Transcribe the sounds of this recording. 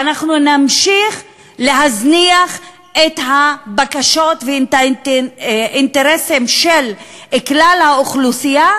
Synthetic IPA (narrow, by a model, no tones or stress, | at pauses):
anaχnunamʃiχ | leɦazniaχ | et̪habakaʃo̞tve | int̪eʁesemʃel | eklalhaoχlusija